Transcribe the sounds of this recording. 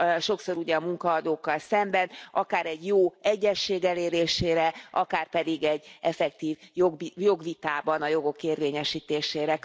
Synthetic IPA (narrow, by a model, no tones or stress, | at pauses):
ʃo̞kso̞ɾuɟɛɒmuŋkɒːd̪oːkːɒlsɛmbɛnɒkaːɾɛɟjoːɛɟːɛʃːeːɡɛleːɾeːʃeːɾɛɒkaːrpɛd̪iɡɛɟːɛfɛk̚t̪iːvjoɡjo̞ɡʋit̪aːbɒnɒjo̞ɡo̞keːrʋeːɲɛʃiːt̪eːʃeːɾɛ